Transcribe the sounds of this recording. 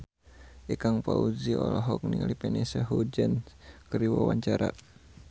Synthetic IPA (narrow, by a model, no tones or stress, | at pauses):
ʔikaŋpauziɔlɔɦɔk̚nilipɛnesaɦud͡ʒənkəɾiwawaɲt͡ʃaɾa